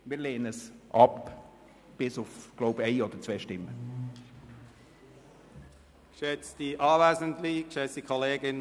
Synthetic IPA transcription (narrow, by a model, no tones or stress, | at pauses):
mɪːɾleːənəsʔɑp | b̥ɪsʊfɡ̥loʊbeɪɔd̥̪əɾt͡sveːʃtɪmːə | kʃɛt͡sd̥iʔɑːvɛːzəntlikʃɛt͡sd̥ikʰɔleːɡɪn